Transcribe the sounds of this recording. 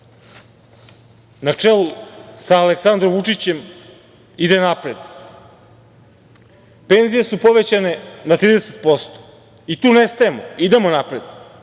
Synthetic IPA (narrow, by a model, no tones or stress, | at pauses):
nat͡ʂelˠusaːleksand̪ɾomʋut͡ʂit͡ɕe̞m | id̪e̞napɾe̞d̪ | pe̞nzije̞supo̞ʋe̞t͡ɕane̞nat̪ɾiːd̪ese̥t̪̚po̞st̪o̥ | it̪uːne̞st̪aemoid̪e̞monapɾe̞d̪̥